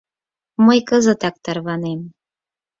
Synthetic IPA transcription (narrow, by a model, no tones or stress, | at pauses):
məjkəzət̪ɑk̚t̪ɑɾβɑnem